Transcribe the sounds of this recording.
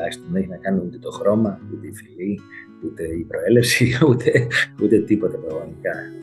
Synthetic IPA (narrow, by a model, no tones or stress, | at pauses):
lɐçist̪emneçinɐkɐniut̪e̞t̪o̞xɾo̞mɐut̪e̞ifili | ut̪e̞ipɾo̞e̞lefsiut̪ʰe̞ut̪e̞t̪ipo̞t̪epɾɐɣmɐt̪ikɐ